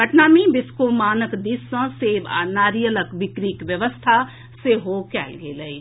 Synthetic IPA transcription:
bəʈnaːmĩbɪskomaːnəkd̪ɪsə̃seːba̰naːɾijələkbɪkɾiːkʋjəʋəst̪ʰa | seɦokɛːlɡeːləi

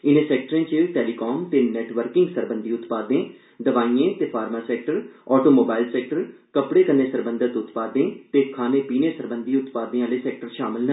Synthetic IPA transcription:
ɪnẽːsɛːk̚ʈəɾẽːt͡ʃəʈɛːlikoːmt̪eːnɛːʈʋəɾkɪ̃ŋɡsəɾbə̃nd̪iːʊt̪paːd̪ẽː | d̪əʋaːiːẽːt̪eːpʰaːɾmaːsɛːk̚ʈəɾɔːʈoːmoːbaːɪlsɛːk̚ʈəɾkəpɽeːkənːeːsəɾbə̃nd̪ət̪ʊt̪paːd̪ẽːt̪eːkʰaːnẽːpiːneːsəɾbənd̪iːʊt̪paːd̪ẽːãːleːsɛːk̚ʈəɾʃaːmɪlnə

